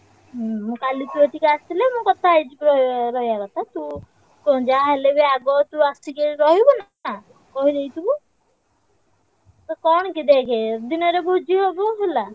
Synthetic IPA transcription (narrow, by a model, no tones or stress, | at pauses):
mũkalit̪ueʈikeast̪ʰilemũkɔt̪ʰajd͡ʒikɾɔɾɔɦijakɔt̪ʰat̪ũ | kɔ̃d͡ʒaɦelebeaɡɔt̪uast̪ikeɾɔɦibɔn | kɔɦiɾejt̪ubu | t̪ɔkɔɽ̃kid̪ekʰed̪inɔɾebʱud͡ʒiɦobɔɦela